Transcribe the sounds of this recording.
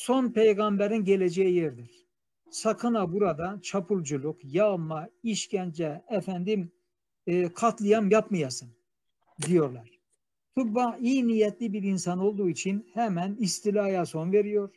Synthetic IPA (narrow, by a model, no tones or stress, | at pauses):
so̞npʰejɡambɛɾinɟelʲed͡ʒejijɛɾd̪iɾ̥ | sakʰɯnabuɾad̪at͡ʃʰapʰulˠd͡ʒulˠukjalˠmaiʃcænd͡ʒɛɛfænd̪imː | kʰat̪lˠɯjamjapmɯjasɯn | d̪ijo̞ɾlˠaɾ̥ | t̪ʰubbaiːnijɛt̪lʲibiɾinsano̞lˠd̪uːit͡ʃʰinhɛmænist̪ilʲaːjaso̞nveɾijoɾ̥